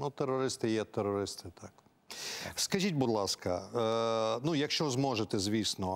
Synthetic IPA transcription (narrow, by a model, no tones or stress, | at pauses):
nut̪eɾːɔɾɪst̪ɪjɛt̪eɾɔɾɪst̪ɪt̪ʰɑk | skɐʒʲitʲbud̪lˠɑskɐ | nujɐkʃt͡ʃɔzmɔʒet̪ɛzʲʋʲisnɔ